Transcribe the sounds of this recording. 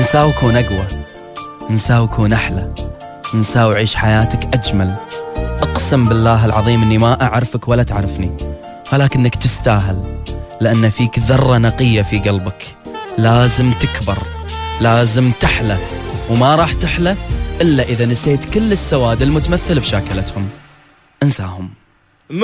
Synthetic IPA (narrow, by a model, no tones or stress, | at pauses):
nsaːwkuːnʔaɡwa | nsaːwkʰuːnʔaħla | nsaːwʕiːʃħajaːt̪akʔad͡ʒmalʔɑqsɪmbɪlːaːɦɪlʕɑðˤiːmʔɪnːimaʔaʕɾfakwalːat̪ɪʕɾɪfni | falaːkɪnːakt̪ɪst̪aːɦɪlːɪʔanːafiːkðɑrˤːɑnɑqɪjːafiɡɑlbak | laːzɪmt̪ɪkbɪɾˤlaːzɪmt̪ɪħlawmaɾˤɑːħt̪ɪħlaʔɪlːaʔəðanɪseːt̪kɪlːɪsːawaːd̪ɪlmʊt̪amaθːɪlbʃaːkɪlat̪hʊm | ʔɪnsaːhʊm